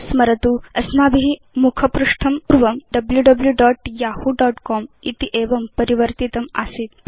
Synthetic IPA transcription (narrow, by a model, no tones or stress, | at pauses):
sməɾət̪uːɐsmabiɦi | mukʰəpɾuʂʈʰɐmuɾʋəmɖɐbljuɖɐbljuɖɔʈjahuɖɔʈkɔmit̪iʔeʋəmpəɾiʋəɾt̪it̪əma̰siːt̪